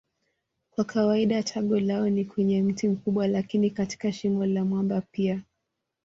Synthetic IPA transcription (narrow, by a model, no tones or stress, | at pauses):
kwakʰawaiɗatʰaɠɔlaɔnikwɛɲɛm̩tim̩kuɓwalakinikati̥kaʃimɔlamwambapia